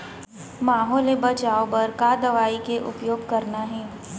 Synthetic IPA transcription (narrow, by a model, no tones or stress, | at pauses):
maːɦɔːlebɐt͡ʃaːopɐɾkad̪ɐʋaːikeʔʊ̰pjoːɡkɐɾnaɦɛː